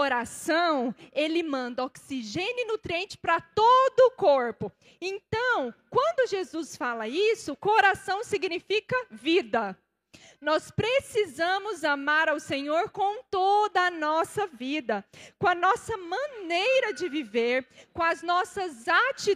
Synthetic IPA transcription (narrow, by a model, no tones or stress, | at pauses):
oɾasɐ̃w̃elɪmɐ̃nd̪ɐoksiʒenɪnut̪ɾiẽnt͡ʃɪ̥pɾɐt̪od̪ʊːkoɾpʊ | ẽnt̪ɐ̃w̃kwɐ̃nd̪ʊʒezusfalɐisʊkoɾasɐ̃w̃siɡnifikɐvid̪ɐ | nɔspɾesizɐ̃mʊzamaɾawsẽɲoɾkõw̃t̪od̪ɐːnɔsɐvid̪ɐkõɐnɔsɐmɐ̃nejɾɐd͡ʒɪviveɾkõɐznɔsɐzat͡ʃi